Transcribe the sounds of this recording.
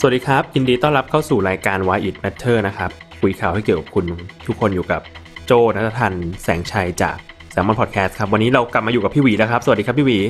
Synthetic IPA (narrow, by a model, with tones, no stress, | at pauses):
sa˨˩˨t̚diː˧kʰa˦˥p̚ji˧ndiː˧t̪ɔ˥˩ŋɾa˦˥p̚kʰa˥˩wsuː˨˩ɾaː˧jkaː˧nwaː˦˧jʔi˨˩t̪̚mɛ˦˥t̪ʰːɤː˥˩na˦˥kʰa˦˥p̚ | kʰu˧jkʰaː˨˩wha˥˩jki˨˩ka˨˩pkʰu˧nt̪ʰu˦˥kʰːo˧njuː˨˩ka˨˩p̚t͡ɕoː˥˩na˦˥t̪ʰːa˧t̪ʰa˧nsɛː˩˦ŋt͡ɕʰa˧jt͡ɕa̰ː˨˩k̚ | sɛː˩˦mɔː˧npʰːt̪̚kʰɛː˦˥st̪̚kʰa˦˥p̚wa˧nːiː˦˥ɾa˧wkla˨˩p̚mːa˧ju˨˩ka˩pʰiː˥˩wiː˩˦lɛː˦˥kʰa˦˥psa˧˨˩t̚diː˧˦˥pʰiː˥˩wiː˨˩˦